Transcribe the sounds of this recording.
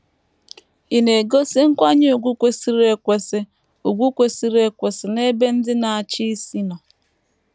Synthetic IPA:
i˨ne˨ɡo˦sɪ˦ŋ̩˦kʷa˦ɲɪ˦u˨ɡʷu˦kʷe˨si˨ɾe˨kʷe˨sɪ˦ | u˨ɡʷu˦kʷe˨si˨ɾe˨kʷe˨sɪ˨ne˦be˦n̩˦dɪ˦na˨a˨t͡ʃi˦si˦nɔ˨

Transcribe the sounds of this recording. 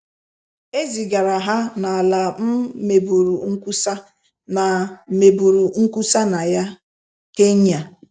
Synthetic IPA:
e˦zi˨ɡa˨ɾa˨ɦa˦na˨la˨m̩˦me˨bu˨ɾu˨ŋ̩˦ku˦sa˦ | na˨me˨bu˨ɾu˨ŋ̩˦ku˦sa˦na˨ja˦ | ke˦ɲa˨

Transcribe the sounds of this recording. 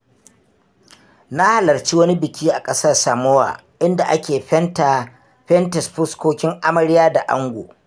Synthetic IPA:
na˦ha˨lɐ˨rt͡ʃi˦wɐ˦ni˦bɪ˨kʲiː˦ʔa˨kʼɐ˦sɐ˦rsaː˨mo˦wa̰ː˨ | ʔɪ˦nda˨ʔa˦kʲeː˨˦˨ | ɸɛ˦ntɛ˨sɸʊ˦skʷoː˦kʲɪ˦ŋʔa˦mɐ˨ɾɪ˦jaː˦da˨ʔa̰˦ŋɡʷo̰ː˨

